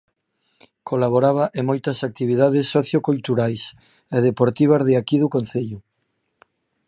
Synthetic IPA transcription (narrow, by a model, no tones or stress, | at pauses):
kʰolaβoɾaβ̞ɐʔemojt̪ɐsak̚t̪iβ̞iðaðesːoθjokult̪uɾajs | eðepoɾt̪iβ̞ɐzðeakiðukon̟θeʎu